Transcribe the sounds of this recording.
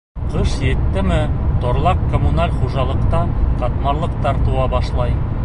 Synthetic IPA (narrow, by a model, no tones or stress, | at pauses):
qɤʃjet̪ːɘmɘt̪ŏɾlˠɑqkːomunalʲχuʒɑlˠɤ̆qt̪ɑqɑt̪mɑɾlˠɤ̆q̚t̪ɑɾt̪uwɑbɑʃlˠɑj